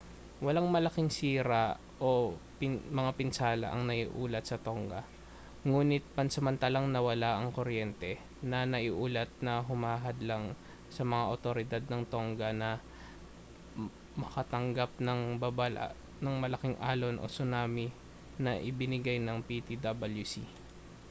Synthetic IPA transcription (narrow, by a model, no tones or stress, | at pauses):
wɐlaŋmɐlɐkɪŋsiːɾa | ʔo̞pmɐŋapɪnsaːlɐ̰ʔɐ̰ŋnɐʔiʔuːlɐt̪̚sɐt̪oŋɡɐ | ŋuːnɪt̪̚pɐnsɐmɐnt̪alaŋnɐwɐlaʔɐŋkoɾjɛnt̪ɛ | nɐnɐʔiʔuːlɐt̪̚nɐɦʊmaːɦɐd̪laŋ | sɐmɐŋaʔot̪oɾɪd̪ad̪̚nɐŋt̪oŋɡɐnɐ | mɐkɐt̪ɐŋɡap̚nɐŋbabala̰ | nɐŋmɐlɐkɪŋʔaːlonʔo̞̰sʊnaːmɪ | nɐʔɪbɪnɪɡajnɐŋpit̪id̪abɐljusḭ